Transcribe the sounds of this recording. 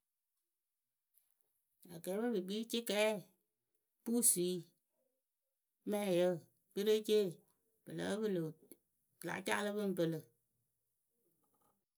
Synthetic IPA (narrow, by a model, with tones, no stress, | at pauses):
a˨ɡɛː˨˦bə˦bɨ˨ɡ͡bi˦t͡ʃi˦kɛː˨˦ | pu˦˨si˨˦ | mɛ̃˦˨jə˦˨ | bə˦ɾe˦t͡ʃeː˦˨ | b̥ɨ˨lə̰˨˦bɨ˦˨lo˨ | kla̰˨˦t͡ʃa˦lɨ˦bɨ˦n˦pə˧lə˨